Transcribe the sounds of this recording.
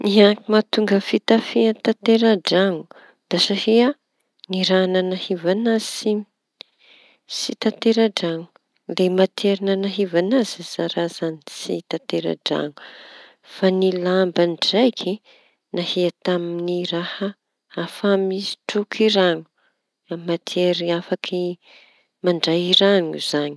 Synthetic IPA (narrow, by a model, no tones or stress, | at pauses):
iakimat̪uŋɡəfit̪afiat̪at̪eɾaɖ͡ʐaŋu̥ | d̪̥asahea | niɾanənahivanazsi | sit̪at̪eɾaɖ͡ʐaŋu̥ | lemat̪ʰeɾanənaɦivanaziz̥aɾazanisit̪at̪eɾa̰ɖ͡ʐa̰ɲu̥ | fanilambanɖ͡ʐajkʰi | nahiat̪aminiɾahə | afamizi̥ʈ͡ʂukʰiɾaɲu̥ | amːat̪ʰeɾiafakʰi | maɳɖ͡ʐajiɾaɲuz̥aɲi